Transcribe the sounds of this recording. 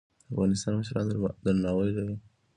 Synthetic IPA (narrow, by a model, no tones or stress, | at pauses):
d̪əafɣɑnɪs̬t̪ɑnməʃɾɑ̰nd̪d̪əɾnɑwəjlawi